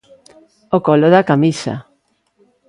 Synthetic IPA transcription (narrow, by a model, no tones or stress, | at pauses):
okoloðakamisa̰